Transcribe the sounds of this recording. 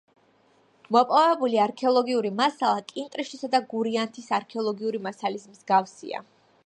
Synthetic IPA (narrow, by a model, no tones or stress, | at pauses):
mɔpʼɔvɛbuliaɾkʰɛɔlˠɔɡiuɾimasalˠakʼint̪ʼɾiʃt̪ʰisad̪aɡuɾiant̪ʰisaɾkʰɛɔlˠɔɡiuɾimasalismzɡafsḭa̰